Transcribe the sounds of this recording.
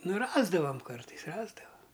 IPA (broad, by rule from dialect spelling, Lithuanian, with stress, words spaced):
ˈnʊ ˈrɑːzdɐʋɐm ˈkɐrtɐɪs ˈrɑːzdɐʋɐ